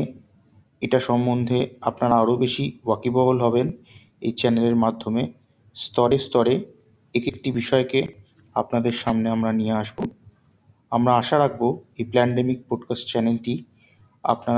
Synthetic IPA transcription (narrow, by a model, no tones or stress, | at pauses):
eʈaʃɔmːond̪ʱeapnaɾaaɾobeʃiwakibɔɦolɦɔben | ḛjt͡ɕɛneleɾmad̪ʱːome | st̪ɔɾest̪ɔɾe | ekek̚ʈibiʃɔeke | apnad̪eɾʃamneamɾanieaʃbo | amɾaaʃaɾak̚ʰboejplɛɳɖemik̚pɔɖkasʈ̚t͡ɕɛnelʈi | a̰pna